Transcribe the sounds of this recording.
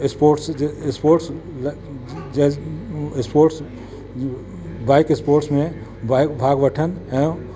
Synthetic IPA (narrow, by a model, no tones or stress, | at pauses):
ɪspoːɾʈsspoːɾʈs | l | ɪspoːɾʈs | baːɪkɪspoːɾʈsmẽ | bakbʱaːɡʋəʈʰənɦɛ̃